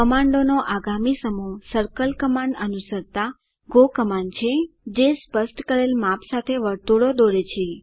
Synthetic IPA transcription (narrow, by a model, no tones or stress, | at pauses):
kəmaɳɖonoʔaɡamisəmusəɾkəlkəmaɳɖənusəɾt̪a | ɡokəmaɳt͡ʃʰed͡ʒespəsʈkəɾelmapsat̪ʰeʋəɾt̪uɽod̪oɾet͡ʃʰe